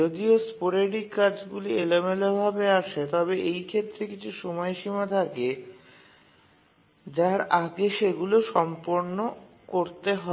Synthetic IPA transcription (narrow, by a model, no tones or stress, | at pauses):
od̪iospoɾeɽikad͡ʑɡulielemelobʱabeaʃet̪ɔbeʔejkʰet̪ːɾekit͡ɕʰuʃɔmɔeʃimat̪ʰake | d͡ʑaɾaɡeʃeɡuloʃɔmpoɾno | koɾt̪eɦɔ